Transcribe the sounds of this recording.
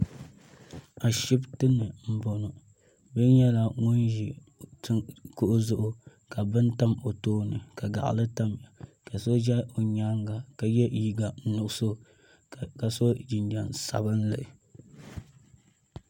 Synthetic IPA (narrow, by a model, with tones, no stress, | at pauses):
a˨ʃi˦btɨ˦nːɨ˨m̩˨bo˨no˨ | bɨ˦n˦jɛ˦la˦ŋʊ˦nʒi˨ | tɨ˦kʊ˦ʔʊ˦zʊ˦ʔʊ˦ka˨bɨ˦nta˦mo˨toː˦nɨ˨ka˨ɡa̰˨ʔlɨ˦ta˦mja˨ka˨so˦d͡ʒɛ˦o˨ɲaː˦ŋɡa˨ka˨jɛ˦˨ji˦ɡa˨nʊ˨ʔʊ˦so˦ | ka˨so˦d͡ʒi˨nd͡ʒa˨nsa̰˨bɨ˦n˦lɨ̰˨ʔɪ˨